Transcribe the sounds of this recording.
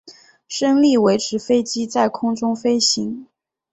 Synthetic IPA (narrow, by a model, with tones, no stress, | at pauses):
ʂɤ˥ŋli˥˩we˧˥ɪʈ͡ʂʰɻ̩˧˥fe˥ɪt͡ɕi˥t͡sa˥˩ɪkʰʊ˥ŋʈ͡ʂʊ˥ŋfe˥ɪɕi˧˥ŋ